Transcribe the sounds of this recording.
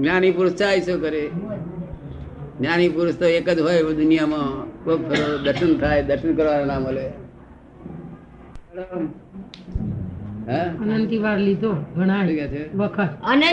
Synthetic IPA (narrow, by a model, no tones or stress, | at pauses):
ɡnaːnipuɾst͡ʃaːjsokəɾe | ɡnjaːnipuɾst̪oeːkəd͡ʒɦojd̪ʊnijamãok̚pʰeɾod̪ʱəɾʃənt̪ʰaːed̪ʱəɾʃənkəɾʋaːɾanaːməle | lo | ɦaənənt̪iʋaɾlid̪ʱoɡʱəɽ̃aket͡ʃʰebəkʰət̪əne